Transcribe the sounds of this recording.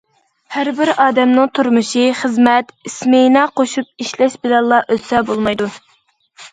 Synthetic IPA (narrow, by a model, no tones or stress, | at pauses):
hæɾbɪɾɑːd̪ɛmnɨŋt̪ʰuɾmuʃiχəzmɛt̪ismenɑqoʃup̚iʃlɛʃbɪlɛnlˠɑʔøsɛbolˠmɑjd̪u